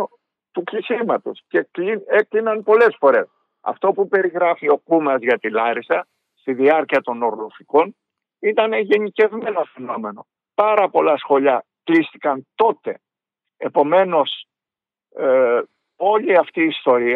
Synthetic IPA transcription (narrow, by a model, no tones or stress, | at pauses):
t̪ukʎisimɐt̪o̞scekieklinɐnpo̞le̞sfo̞ɾe̞s | ɐ̰ft̪o̞pupe̞ɾiɣɾɐfio̞kumɐzʝɐt̪ilɐɾisɐ | st̪iðiɐɾciɐt̪o̞no̞ɾlofiko̞n | it̪ɐne̞ʝe̞nice̞vme̞no̞fe̞no̞me̞no̞̰ | pɐɾɐpo̞lɐsxo̞ʎɐklist̪ikɐnt̪o̞t̪e̞̰ | epo̞me̞no̞s | o̞ʎiɐft̪iːst̪o̞ɾiɐ